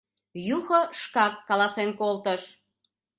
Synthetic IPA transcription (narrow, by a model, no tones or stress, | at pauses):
juxoʃkɑkːɑlɑsenkolt̪əʃ